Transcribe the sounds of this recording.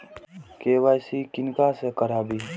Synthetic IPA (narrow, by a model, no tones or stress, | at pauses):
keːwaːjsikɪnkasekəɾaːbiː